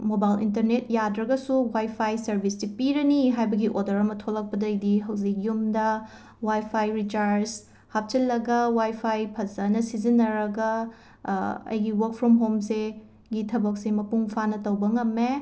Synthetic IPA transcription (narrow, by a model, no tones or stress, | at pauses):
mobajlḭntɐɾnet̚jadɾɐɡɐsuwajpʰajsɐɾbʱisdipiɾɐniɦajbɐɡiʔodɐɾɐmɐtʰolɐk̚pɐdɐjdiɦɐwzikjumdɐ | wajpʰajɾit͡ʃaɾs | hap̚t͡ʃɐlːɐɡɐwajpʰajpʰɐzɐnɐsizinːɐɾɐɡɐ | ɐ̰jɡiwɐɾk̚pʰɾɔmɦomse | ɡitʰɐbɐk̚semɐpuŋpʰanɐtɐwbɐŋɐmːe